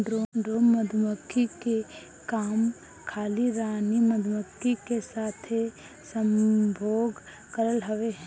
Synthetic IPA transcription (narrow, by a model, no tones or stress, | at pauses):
ɖɾoːɖoːnməd̪ʱməkːike | kaːm | kʰaːliɾaːniməd̪məkːikesaːt̪ʰe | sə̃mbʱoːɡ | kəɾəlɦɐʋeɦɛ̃